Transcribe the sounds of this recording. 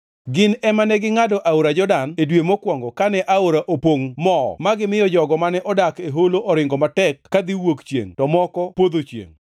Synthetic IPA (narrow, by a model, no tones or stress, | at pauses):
ɡɪnɛmanɛɡɪŋadɔʔaoɾad͡ʒɔdanedwemokwɔŋɡɔkanɛʔaoɾaʔopoŋmɔ̰maɡɪmɪjɔd͡ʒɔɡɔmanɛʔɔdakeɦoloʔɔɾɪŋɡɔmatɛkːad̪iwokt͡ʃjḛŋtɔmɔkɔpwod̪ot͡ʃjḛŋ